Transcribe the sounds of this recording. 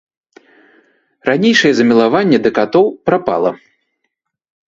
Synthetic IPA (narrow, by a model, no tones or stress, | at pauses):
ɾanʲejʂɐjɛzɐmʲilˠavanʲːɛd̪ɐkat̪ɔwpɾapa̰lˠɐ